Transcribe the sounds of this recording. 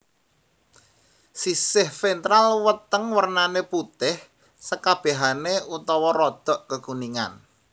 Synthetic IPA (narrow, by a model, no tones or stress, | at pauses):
sisɪhfent̪ɾalwət̪əŋwərnaneput̪ɪh | səkab̥e̤ɦaneut̪ɔwɔrɔd̪̥ɔ̤ʔkəkuniŋa̰n